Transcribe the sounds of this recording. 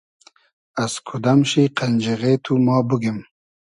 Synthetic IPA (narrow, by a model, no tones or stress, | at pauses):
askʰud̪amʃiqanʲd͡ʒiʁet̪ʰumɑːbuɡim